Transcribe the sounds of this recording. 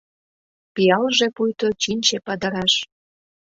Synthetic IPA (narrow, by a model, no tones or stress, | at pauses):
piɑlʒepujt̪ot͡ɕinʲt͡ɕepɑd̪ə̆ɾɑʃ